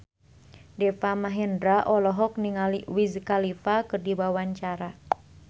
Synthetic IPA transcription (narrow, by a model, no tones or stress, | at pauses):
dɛfamaɦɛndɾaʔɔlɔɦɔk̚niŋaliwizkalifakɨrdibawaɲt͡ʃaɾa